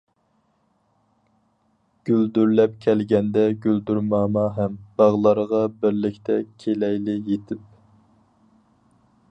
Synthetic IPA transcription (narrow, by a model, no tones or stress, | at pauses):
ɡ̥ʲyld̪yɾlɛp̚kʲʰɛlɡʲɛnd̪ɛɡʲyld̪yɾmɑːmɑɦɛmb̥ɑʁlˠɑɾʁɑbɪɾlɪkʲt̪ʰɛkʲʰelɛjlɪjet̪ʰɪp̚